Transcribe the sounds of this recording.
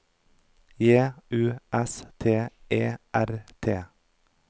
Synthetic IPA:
jeːʉːʔɛst̪ʰeːʔeːʔæɾt̪ʰeː

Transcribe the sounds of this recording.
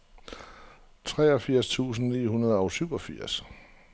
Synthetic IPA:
t͡sʰʁɛ̰ːɒ̽fiɐ̰st͡sʰṵːsn̩niːhunɐðˠɒ̽ʊsyʊɒ̽fiɐ̰s

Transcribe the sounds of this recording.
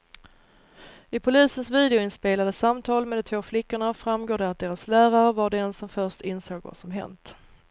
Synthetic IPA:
ɪpʰʊliːsənsviːd̪ɛʊɪnspeːlad̪əsamt̪ʰɑːlmɛd̪ɔt̪ʰvoːflɪkːʊɳafɾamɡoːɖɛat̪̚d̪eːɾaslæːɾaɾəvaɖɛɛnsɔmfœʂʈɪnsoːɡva̰sɔmɦɛ̰nt̪

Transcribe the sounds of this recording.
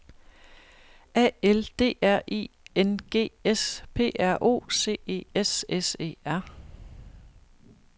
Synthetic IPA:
ɛ̰ːeld̥e̝̰ːæɐ̰ʔḭːenɡ̥e̝̰ːespʰe̝̰ːæɐ̰ʔo̝̰ːse̝̰ːe̝̰ːesese̝̰ːæɐ̰

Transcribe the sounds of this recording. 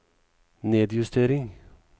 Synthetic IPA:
neːd̪jʉst̪ʰeːɾɪŋ

